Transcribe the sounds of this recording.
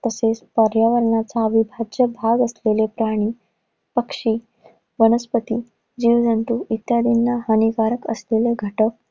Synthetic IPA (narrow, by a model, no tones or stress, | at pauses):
t̪əsespəɾjaʋəɾɳat͡saəbibʱad͡ʑjəbʱaɡəslelepɾaɽ̃iː | pəkʂiː | ʋənəspət̪iː | d͡ʑiʋd͡zʱənt̪uːʔit̪jad̪inːaɦənikaɾəkə̰sleleɡʱəʈək̚